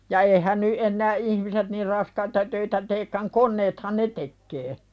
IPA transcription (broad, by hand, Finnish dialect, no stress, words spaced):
jɑ eihæn ny ʔenːæː ʔihmiset nir rɑskɑitɑ tøitæ teːkːæŋ konːeːthɑn ne tekːeː